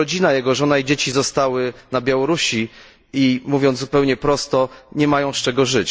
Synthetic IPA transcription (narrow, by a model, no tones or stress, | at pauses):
ɔd͡ʑinajɛɡɔʐɔnaid͡ʑet͡ɕizɔst̪awɘnabʲjawɔɾuɕi | imuvʲjɔnt̪upɛwɲɛpɾɔst̪ɔɲɛmajɔ̃w̃st͡ʂɛɡɔʐɘt͡ɕ